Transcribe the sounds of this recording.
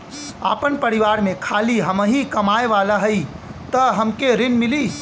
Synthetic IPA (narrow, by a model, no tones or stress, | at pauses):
a̰pənpəɾiʋaɾmẽkʰaliɦəməɦikəmaeʋalaɦəit̪əɦəmkeɾinmili